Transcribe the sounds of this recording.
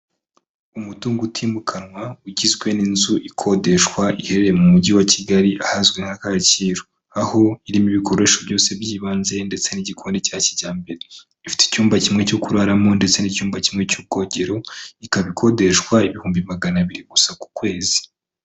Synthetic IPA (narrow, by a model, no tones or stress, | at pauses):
umutuːŋɡutʰiːmukʰanŋwauɟizɡwe̞ninzuʔikʰo̞de̞ʃkwaʔihe̞ɾeɾemumuɟiwaciɡaɾiʔahazɡwe̞ŋ̥hakaciːɾo | aho̞iɾimiβiko̞ɾe̞ʃobjo̞ːse̞bjiːβaːnze̞nde̞t͡se̞niɟikʰondecaːciɟaːmbe̞ɾe | ifi̥te̥cuːmbacimŋe̞co̞kuɾaɾamo̞nde̞t͡se̞nicuːmbacimŋe̞cub̚ɡo̞ːɟe̞ɾo̞ikaβikʰo̞de̞ʃkwaiβihuːmbimaɡanaβiɾiɡ̥usaku̥kwe̞ːzi̥